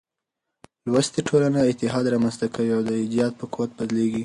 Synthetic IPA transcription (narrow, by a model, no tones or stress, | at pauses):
lwast̪iʈʰolanaɪt̪ɪɦɑd̪ɾɑmanzt̪akʰawiawd̪əɪd̪ijɑd̪̚pəkuwat̪̚bad̪leɡi